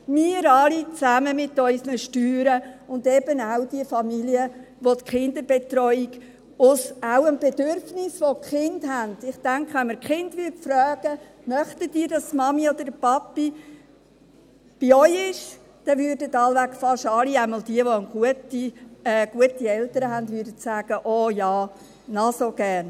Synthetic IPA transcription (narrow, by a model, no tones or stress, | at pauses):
miəɾɑlit͡sæməmɪt̪œʏsnəʃtyːɾəʊnd̪ɛbənawd̥iəfɑmiliə | ʋot̪kχɪnd̪əɾb̥et̪rɔʏiɡ̥ | ʊsawənb̥ed̥øɾfnɪsʋokχɪnd̥hænd̥ɪχtæŋkʰχʋɛnməɾkχɪndʋytfɾœːɡ̥ə | mœχtətiːɾdɑstmɑmiod̥̪əɾəpɑpːi | b̥iœjɪʃ | d̥ɛʋʏːɾdətɑlʋækfɑʃɑliæɪmɑldiəʋoənɡ̥uətiɛːɡ̥uətiɛltəɾəɦændʋʏdətsæːɡ̥əʔɔːjɑː | nɑsoɡ̥æːɾn